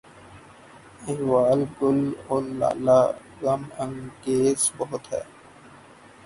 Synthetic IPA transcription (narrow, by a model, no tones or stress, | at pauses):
ɪɦʋaːlɡʊloːɾla̰ːlaː | ɣɐmə̃ŋɡeːzbɐɦʊt̪ɦɛ̰ː